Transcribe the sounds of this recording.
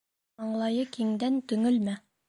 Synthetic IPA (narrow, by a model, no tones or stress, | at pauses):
ɑɴlˠɑjɤkiŋd̪ænt̪ɵ̆ŋɵlmæ